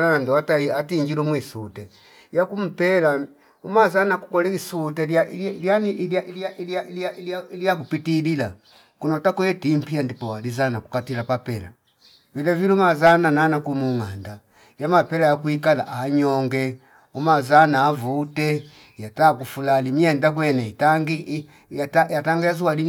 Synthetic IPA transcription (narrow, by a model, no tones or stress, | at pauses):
nanandɔwataiatiɲd͡ʒilumwisutɛ | jakum̩pɛla | umazanaku̥kɔlɛisutɛljailjaniljaʔiliaʔiliailiailailijakupitilila | kunɔtakɔjɛtim̩piandipɔwalizanaku̥katilapapɛla̰ | vilɛvilumazanananakumuŋanda | jamapɛlajakuikala̰ʔaɲɔŋɡɛ | umazanaːvutɛ | jatakufulalimiɛndak̬wɛnɛitaŋɡi | jatajataŋɡajazuwali